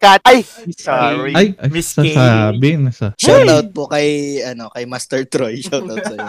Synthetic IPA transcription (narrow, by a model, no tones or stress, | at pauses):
kaaj | ʔajɐsasabɪnɐsɐʃawt̪awt̪̚pokɐjʔɐno̞kɐjmast̪ɛɹt̪ɾojʃɐwt̪awt̪̚sɐ